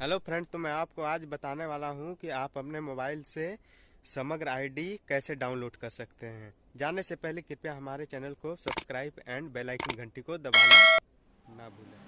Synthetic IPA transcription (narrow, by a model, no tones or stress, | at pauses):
ɦɛlopʰɾɛ̃ɳɖt̪omɛ̃aːpkoaːd͡ʒbɐt̪aːneʋaːlaɦũkiaːpɦɐpnemoːbaːɪlsesɐməɡɾaːɪɖikɛːseɖaːʊnloːɖkɐɾsɐkt̪eɦɛ̃ː | d͡ʒaːnesepɛɦlekɪɾpjaɦɐmaːɾet͡ʃɛːnəlkosɐbskɾaːɪbɛ̃ːɳɖbeːlaːɪkɪ̃ɡʱə̃ɳʈikod̪ɐbaːla | nɐbʱuːleː